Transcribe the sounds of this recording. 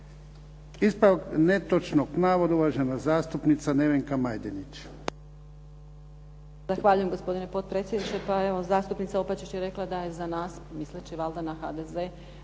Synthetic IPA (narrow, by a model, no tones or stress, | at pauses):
ispɾaknet̪ot͡ʃnoɡpnaːʋod̪auʋaʒenazaːst̪upnit̪saneʋeŋkamajd̪enit͡ʃ | zaxʋaːʎujemɡo̞spo̞d̪ine̞po̞t̪̚pɾet̪sʲjed̪nit͡ʃt̪epae̞ʋo̞zaːst̪upnit̪saopat͡ɕit͡ɕjeɾe̞klˠad̪ajezanaːsmislet͡ɕiʋald̪anaxad̪eze